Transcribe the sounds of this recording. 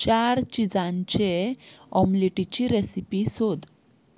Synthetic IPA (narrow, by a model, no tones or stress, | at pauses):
t͡ɕaɾt͡ɕid͡zãɲt͡ɕeɔmliʈit͡ɕiɾesipisod̪